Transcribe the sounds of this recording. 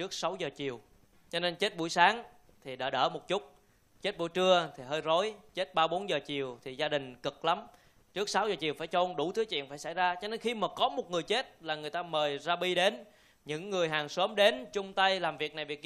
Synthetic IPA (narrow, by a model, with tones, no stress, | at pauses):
t͡ɕɨ˦˥ək̚sa˨˦wzəː˨˩t͡ɕi˨˩əw | t͡ɕɔ˧ne˧nt͡ɕe˦˥t̚ɓu˧˩jsaː˨˦ŋ | t̪ʰi˨˩ɗa̰ː˧˩ɗə̰ː˧˩mo˨˩t̚t͡ɕʊ˦˥t̚ | t͡ɕe˦˥t̚ɓṵ˧˩əjt͡ɕɨ˧ət̪ʰi˨˩ɦəː˧jzo˨˦jt͡ɕe˦˥t̚ɓaː˧ɓo˨˦nzəː˨˩t͡ɕi˨˩əwt̪ʰi˨˩zaː˧ɗï˨˩ŋ̟kɨ˨˩k̚la˨˦m | t͡ɕɨ˦˥ək̚sa˨˦wzəː˨˩t͡ɕi˨˩əwfaː˧˩jt͡ɕɔ˧nɗu˧˩t̪ʰɨ˨˦t͡ɕḭ˧˨ənfaː˧˩jsa˧˩jzaː˧t͡ɕɔ˧ne˧nxi˧maː˨˩kɔ˨˦mo˨˩t̚ŋɨ˨˩əjt͡ɕe˦˥t̚laː˨˩ŋɨ˨˩əjt̪aː˧məː˨˩jzaː˧ɓi˧ɗe˨˦n | ɲɨ̰˧˥ŋːɨ˨˩əjɦaː˨˩ŋsəː˨˦mɗe˨˦nt͡ɕʊ˧ŋ͡mt̪ə˧jlaː˨˩mvi˨˩ək̚na˨˩jvi˨˩ək̚